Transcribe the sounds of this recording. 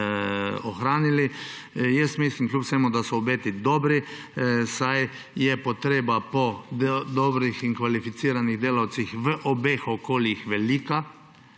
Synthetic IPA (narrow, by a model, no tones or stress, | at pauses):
oxɾaːnili | jɛst̪mislimklʲupsɛmud̪asɔːbeːt̪id̪ɔbɾi | saj | jɛpɔt̪ɾeːbapɔd̪ɔbɾixiŋkʋalifit̪siːɾaniɣd̪eːlawt̪sixʋəʔɔbeːxokoːljixʋɛliːka